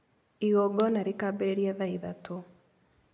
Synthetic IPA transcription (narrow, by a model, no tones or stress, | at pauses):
iɣɔɡɔnaɾikaːbeɾeɾiaðaiðato